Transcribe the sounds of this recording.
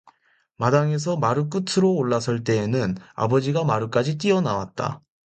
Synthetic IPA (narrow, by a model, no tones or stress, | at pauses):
madaŋe̞s̬ʰʌmaɾɯk̬͈utʰɯɾoːɭːasʰɯɭt͈e̞ːnɯna̰bʌd͡ʑiɡamaɾɯk͈ad͡ʑit͈iʌnawa̰t̚t͈a̰